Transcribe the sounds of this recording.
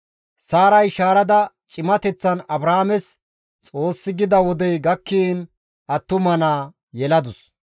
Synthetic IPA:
saːɾɐjʃaːɾɐd̪ɐ | t͡ʃʼɪmɐt̪ɛt͡sːɐnɐbɾaːmɛs | t͡sʼo̞ːsːɪɡɪd̪ɐwɔd̪ɛjɡɐkːiːn | ʔɐt̪ːʊmɐnaː | jɛlɐd̪ʊs

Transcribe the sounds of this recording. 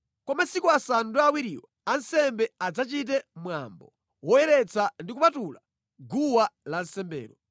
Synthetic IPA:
kɔmasikuasanduawiɾḭwaansɛmbɛad͡zat͡ʃit̬ɛmwa̰mbɔ̰ | wɔjɛɾɛt͡sandikupatula | ɡuwalansɛmbɛ̰ːɾɔ

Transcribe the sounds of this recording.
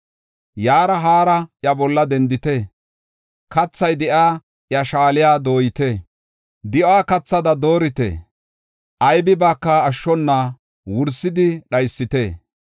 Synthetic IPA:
jaːɾɐɦaːɾɐʔjɐbɔlːɐd̪ɛnd̪ɪt̪ɛ | kɐt͡sːɐjd̪ɛʔaː | ʔjɐʃaːlɪjaːd̪o̞ːjɪt̪e | d̪ɪʔaːkɐt͡sːɐd̪ɐd̪o̞ːɾɪt̪ḛː | ʔɐjbɪbaːkːɐːʃːɔnːaː | wʊɾsɪd̪ɪɗɐjsːɪt̪eː

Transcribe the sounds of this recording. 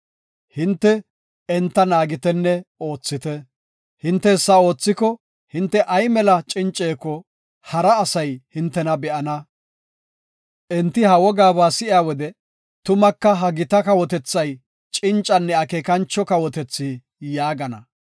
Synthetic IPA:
hɪnt̪ːɛ | ɛnt̪ːɐnaːɡɪt̪ɛnːɛo̞ːt͡sːɪt̪ɛ | hɪnt̪ːɛɛsːɐo̞ːt͡sːɪkɔ | hɪnt̪ːɛʔɐjmɛlɐt͡ʃʼɪnt͡ʃʼe̞ːkːɔ | hɐɾɐːsɐjhɪnt̪ːɛnɐbɛʔɐnɐ | ʔɛnt̪ːɪhɐwɔɡaːbaːsɪʔɪaːwɔd̪ɛ | t̪ʊmɐkːɐɦɐɡɪt̪ɐkɐwɔt̪ɛt͡sːɐj | t͡ʃʼɪnt͡ʃʼːɐnːɛɐkeːkɐnt͡ʃːɔkɐwɔt̪ɛt͡sːiː | jaːɡɐnɐ̰

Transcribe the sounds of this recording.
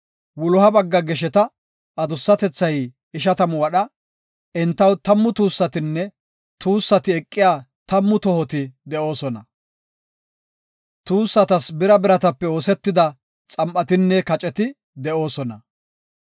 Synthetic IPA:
wʊlʊɦɐbɐɡːɐɡɛʃɛt̪ɐ | ɐd̪ʊsːɐt̪ɛt͡sːɐj | ɪʃ̬ɐt̪ɐmwɐɗɐ | ʔɛnt̪ːɐwt̪ɐmːʊt̪uːsːɐt̪ɪnːɛ | t̪uːsːɐt̪ɪɛkʼːɪjaː | t̪ɐmːʊt̪ɔhɔt̪ɪd̪ɛʔo̞ːsɔnɐ | t̪uːsːɐt̪ɐsbɪɾɐbɪɾɐt̪ɐpːɛo̞ːsɛt̪ːɪd̪ɐ | t͡sʼɐmpʼːɐt̪ɪnːɛkɐt͡ʃʼɛt̪ɪ | d̪ɛʔo̞ːsɔnɐ

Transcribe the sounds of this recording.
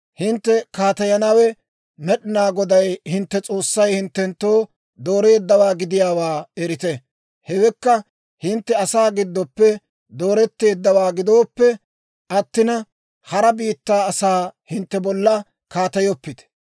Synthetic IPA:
hɪnt̪ːɛkaːt̪ɐjɐnɐwɛ | mɛɗɪnaːɡɔd̪ɐjhɪnt̪ːɛt͡sʼo̞ːsːɐjhɪnt̪ːɛnt̪ːo̞ː | d̪o̞ːɾe̞ːd̪ːɐwaːɡɪd̪ɪjaːwaːɛɾɪt̪ɛ | hɛwɛkːɐ | hɪnt̪ːɛɐsaːɡɪd̪ːɔpːɛ | d̪o̞ːɾɛt̪ːe̞ːd̪ːɐwaːɡɪd̪o̞ːpːɛ | ʔɐt̪ːɪnɐ | hɐɾɐbiːt̪ːaːɐsaːhɪnt̪ːɛbɔlːɐ | kaːt̪ɐjɔpːɪt̪ɛ̥

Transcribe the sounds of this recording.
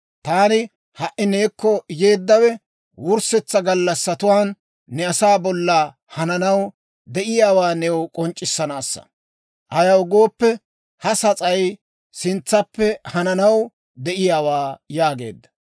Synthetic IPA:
t̪aːnɪ | hɐʔɪne̞ːkːɔjeːd̪ːɐwɛ | wʊɾsɛt͡sːɐɡɐlːɐsːɐt̪ʊwaːnː | ɛɐsaːbɔlːa | hɐnɐnɐw | d̪ɛʔɪjaːwaːnɛwkʼɔnt͡ʃʼːɪsːɐnaːsːɐ̰ | ʔɐjɐwɡo̞ːpːɛ | hɐsɐt͡sʼɐj | sɪnt͡sːɐpːɛhɐnɐnɐw | d̪ɛʔɪjaːwaːjaːɡe̞̰ːd̪ːɐ̥

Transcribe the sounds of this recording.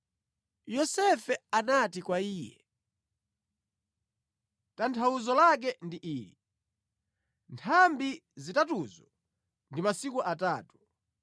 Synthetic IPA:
jɔsɛfɛanatikwaiːjɛ̰ | tantʰauzɔlak̬ɛndiʔiːɾi | ntʰambizitatuzɔ | ndimasikuʔataːtu̥

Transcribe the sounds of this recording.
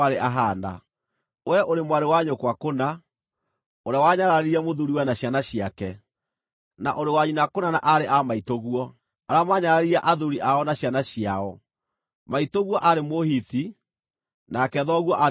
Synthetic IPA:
aɾeʔaɦaːnda̰ | wɛʔoɾemwaɾewaɲokwakona | oɾeawaɲaɾaɾeɾiamoðuɾiwɛnaɕjanaɕiakɛ | na̰ʔoɾewaɲunakonanaʔaɾeʔamaitoɣuɔ | aɾamaɲaɾaɾiaʔaðuɾiʔaɔnaɕjanaɕiaɔ | maitoɣwɔʔaɾemohiti | nakɛðɔɣwɔʔa

